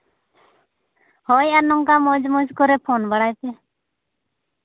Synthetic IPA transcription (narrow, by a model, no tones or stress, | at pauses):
hɔjanɔŋkamod͡ʒmɔd͡ʒkɔɾɛpʰoːnbəɽaːjt̪ɛ